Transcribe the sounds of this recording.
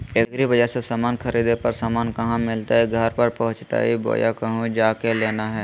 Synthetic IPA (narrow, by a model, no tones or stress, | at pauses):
eɡɾiʋɐd͡ʒəsesaːmaːnkʰɐɾiːd̪epɐɾsaːmaːnkɐɦãmɪlt̪aiɡʱɐɾpɐɾpɐɦʊ̃t͡ʃt̪a̰ibo̰ːjakɐɦũd͡ʒaːkeleːnaɦɛː